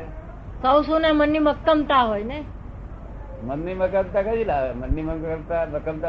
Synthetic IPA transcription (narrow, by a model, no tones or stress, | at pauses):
səwsonemənːiməkːəmt̪aɦojne | mənːiməkəmt̪akad͡ʒilamənːiməəmt̪aməkəmt̪a